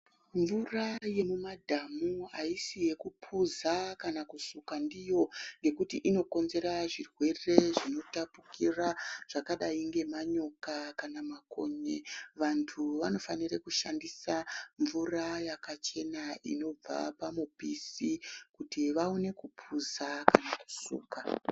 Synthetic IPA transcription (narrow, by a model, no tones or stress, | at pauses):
ɱvuraje̞mumadʱamua̰isije̞kupʰuzakanakusukandijo̞ŋɡe̞kutiʔino̞ko̞nze̞ɾaʐirwe̞re̞ʐino̞tapukiraʐ̥akaɗaiŋɡe̞maɲo̞kakanamako̞̰ɲeʋantʰuʋano̞fanirekuʃandisaɱvurajakat͡ʃe̞naʔḭno̞b͡va̰pamupisikutiʋaune̞kupʰuzakanaku̥sṵːka